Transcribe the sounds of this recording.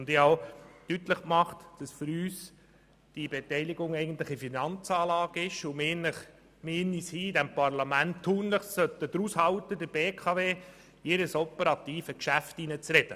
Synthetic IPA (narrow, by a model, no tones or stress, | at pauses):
ndɪhaʊtyt̪ləχkmɑχtd̥ɑsfʏɾyːs | d̥ibɛt̪ɛɪliɡʊŋɛɪɡən̩t̪lɪχifinɑnt͡sɑːlɑːɡəɪʃʊmeːnəχ | meːnishiːdɛmpɑɾlɑmæntʰːuːnləχssœt̪ːəd̥̪ɾushɑwtəd̪əɾbeːkʰɑveː | eɾəsɔpəɾɑt̪iːfəkʃæftinət͡sɾɛd̥ə